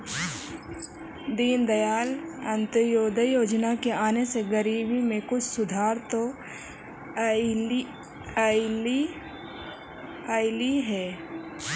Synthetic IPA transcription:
d̪iːnd̪əjaːlə̃nt̪əjoːd̪əjoːd͡ʒnakeaːneseɡəɾiːbimẽkʊt͡ʃʰsʊd̪ʱaːɾt̪o | ɪl | aːliɦɛː

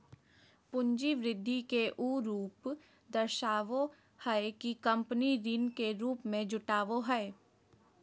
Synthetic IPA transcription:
pʊ̃ɲd͡ʒiʋɾɪd̪ʱːikeʔuːɾuːp | d̪ɐɾʃaːʋo | hɛekikɐ̃mpniɾɪnkeɾuːpmẽd͡ʒʊʈaːʋoɦɛː

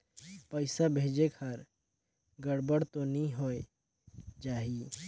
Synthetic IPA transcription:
pəɪsabʱeːd͡ʒekʰɐɾ | ɡəɽbəɽt̪onĩɦoːe | d͡ʒaːɦi

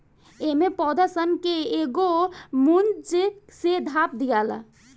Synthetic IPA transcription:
emẽpɔːd̪əsənkeːɡomunt͡ʃsed̪ʱaːp̚d̪ijaːla̰

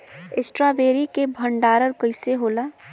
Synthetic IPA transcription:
ɪsʈɾaːbeːɾikebʱəɳɖaːɾəɾkəɪseɦoːlaː

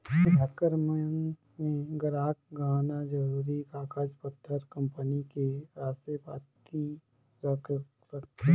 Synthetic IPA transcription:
bʱɛkəɾməjəŋ | mẽɡəɾaːk̚ɡʱaːnad͡ʒɐɾuːɾikaːkaːd͡ʒpət̪ʰːəɾkɐ̃mpənikeaːsepaːt̪̚ki | ɾɐkʰ | sɐk̚t̪e

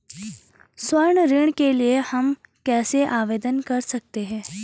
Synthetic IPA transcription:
swəɾɳɾɪɳ̃keliehɐmkɛːseʔaːʋeːd̪ənkɐɾsɐk̚t̪eɦɛ̃ː

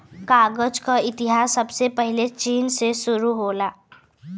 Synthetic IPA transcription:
kaːɡəd͡ʒkaɪt̪ɪɦaːsːɐbsepəɦɪlet͡ʃiːnsesʊɾuɦoːlaː

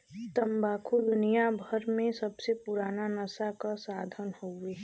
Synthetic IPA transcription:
t̪ɐmbaːkʰud̪ʊnijabʱəɾmẽsɐbsepʊɾaːnanəsakasaːd̪ʱənhoeː

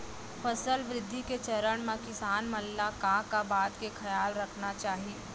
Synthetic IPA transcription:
fɐsəlʋɾɪd̪ʱːiket͡ʃɐɾəɽ̃mãkɪsaːnmɐlːakãːkabaːt̪kexɐjaːlɾɐkʰnat͡ʃaːɦieː

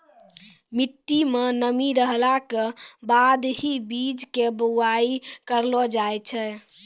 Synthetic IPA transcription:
miʈ̪ːimenəmiɾəɦlakebad̪ɦibid͡ʒkebəaikəɾlɔd͡ʒajt͡ʃʰɛ

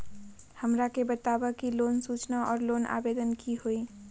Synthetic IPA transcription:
həmɾakebət̪abəkilonsut͡ʃnaʔɔ̰ːɾlona̰bed̪ənkiɦoi

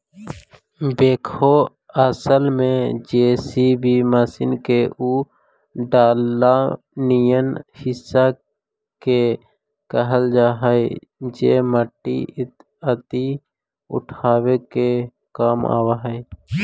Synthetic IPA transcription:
beːkʰo | əsəlmẽd͡ʒeːsibʱimaːsɪnkeʔuː | ɖaːlːa | nijənhɪsːa | ke | kəɦəld͡ʒaːɦəe | d͡ʒeːməʈːḭɪt̪ | ət̪i | ʊ̰ʈʰaːweke | kaːma̰ːwaɦɛe

